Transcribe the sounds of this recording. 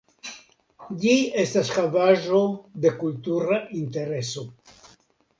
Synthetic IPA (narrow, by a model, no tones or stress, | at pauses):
ʎiest̪askavaʒod̪ekult̪uɾaʔint̪eɾeso